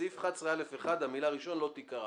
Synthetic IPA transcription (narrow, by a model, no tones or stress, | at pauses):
ifχat͡sʁealefeχad̪hamilaːʁiʃo̞nlo̞t̪ikaʁa